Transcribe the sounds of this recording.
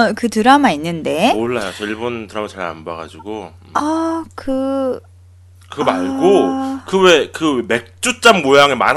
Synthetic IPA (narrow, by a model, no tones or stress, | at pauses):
kɯtɯɾamainːɯnde̞moɭːajot͡ɕʌiɭbontɯɾamat͡ɕaɭa̰nbaɣa̰d͡ʑiɡoɯʌkɯ | kɯmaɭɡokɯwe̞kɯme̞k̚t͡ɕ͈ut͡ɕ͈amːojaŋema̰n